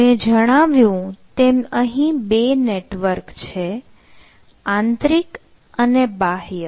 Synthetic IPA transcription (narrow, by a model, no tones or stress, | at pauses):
med͡ʒəɽ̃aʋjũt̪eməɦĩbeneʈʋəɾkt͡ʃʰe | ãnt̪ɾik | ənebaɦjə